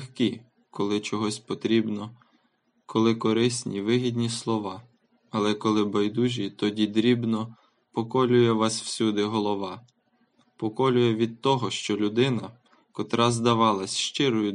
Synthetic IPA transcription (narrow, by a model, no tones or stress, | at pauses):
xki | kɔlˠɪt͡ʃɔɦɔsʲpɔt̪ɾʲibnɔ | kʰɔlˠɪkɔɾɪsʲnʲiʋɪɦʲid̪ʲnʲislˠɔʋɑ | ɐlˠɛkɔlˠɪbɐjd̪uʒʲit̪ɔdʲid̪ɾʲibnɔ | pɔkɔlʲʊjɛʋɑsw̥sʲud̪ɪɦɔlˠɔʋɑ | pɔkɔlʲʊjɛʋʲid̪̚t̪ɔɦɔʃt͡ʃɔlʲʊd̪ɪnɐ | kɔt̪ɾɑzd̪ɐʋɑlˠɐsʲʃt͡ʃɪɾʊjʊ